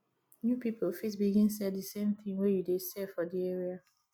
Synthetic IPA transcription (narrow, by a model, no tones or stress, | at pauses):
njupipol̩fitsbiɡĩnsɛddəsẽmθĩŋwejudesɛfɔdiɛɹia